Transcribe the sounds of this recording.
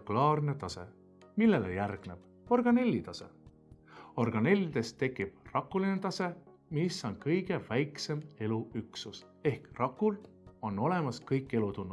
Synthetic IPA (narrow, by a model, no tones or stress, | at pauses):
klɑːrne̞t̪ɑse̞ | milːe̞lḛjærɡ̥ne̞b̥ | o̞rɡ̥ɑne̞lʲːit̪ɑse̞̰ | o̞rɡ̥ɑne̞lʲːid̪̥e̞st̪ːe̞kːˑib̥rɑkːˑulinet̪ɑse̞ | miso̞nkɤjɡ̥e̞væjkse̞me̞luyksus | e̞hkrɑkːˑul | o̞nːo̞le̞mɑskɤjkˑːe̞lut̪unːu